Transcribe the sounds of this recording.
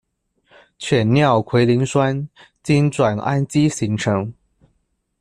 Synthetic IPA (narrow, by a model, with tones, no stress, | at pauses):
t͡ɕʰɥɛ˨˩nnjɑ˥˩ʊkʰwe˧˥ɪli˧˥ŋswa˥n | t͡ɕi˥nʈ͡ʂwa˨˩na̰˥nt͡ɕi˥ɕi˧˥ŋʈ͡ʂʰɤ˧˥ŋ